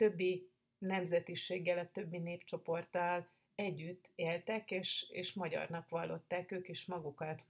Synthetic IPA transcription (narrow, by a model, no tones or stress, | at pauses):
t̪ø̞bːi | nɛmzɛt̪iʃeːɡːɛlɒt̪ø̞bːineːpt͡ʃo̞po̞rt̪ɒl | ɛɟːyt̪ːeːlt̪ɛkeːʃḛːʃmɒɟɒ̰rnɒkʋɒlːo̞t̪ːaːkøːkiʃmɒɡukɒt̪